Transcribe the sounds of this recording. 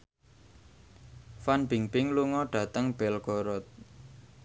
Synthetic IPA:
fanb̥iŋbɪŋluŋɔɖ̥ä̤t̪əŋb̥ɛlɡ̥ɔɾɔt̪̚

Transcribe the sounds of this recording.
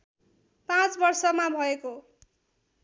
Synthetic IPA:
pãt͡sbʌrsʌmabʱʌeko

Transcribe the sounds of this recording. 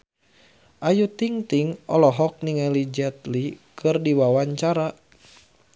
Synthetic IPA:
ʔajut̪iŋt̪iŋɔlɔɦɔk̚niŋalid͡ʒɛt̪likʰɨrdiwawaɲt͡ʃaɾa

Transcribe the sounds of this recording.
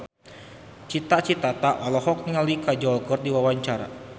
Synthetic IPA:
t͡ʃit̪at͡ʃit̪at̪aʔwalɔɦɔk̚niŋalikad͡ʒɔlɡɔrt̪̚diwawaɲt͡ʃaɾa̰

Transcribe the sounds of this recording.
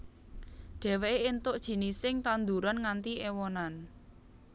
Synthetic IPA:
ɖ̥ɛ̤weeːnt̪ʊʔd̥ʒ̥i̤nisɪŋt̪and̪uɾanŋant̪iʔewɔnan

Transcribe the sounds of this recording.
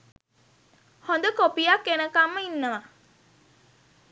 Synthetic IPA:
hond̪əkopijakːenəkamːəinːəʋa

